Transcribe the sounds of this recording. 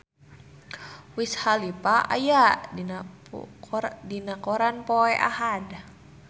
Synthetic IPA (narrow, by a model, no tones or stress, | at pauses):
wishalipaʔa̰ja | dinakɔɾanpoɛʔa̰ɦad